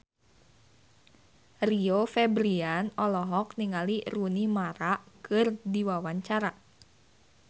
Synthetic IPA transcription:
riofɛbɾianɔlɔɦɔk̚niŋalirunimaɾaʔkʰɨrdiwawaɲt͡ʃaɾa

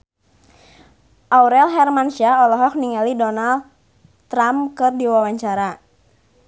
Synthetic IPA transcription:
ʔauɾɛlɦɛrmanʃiaɔlɔɦɔk̚niŋalidɔnal | t̪ɾamkɨrdiwawaɲt͡ʃaɾa

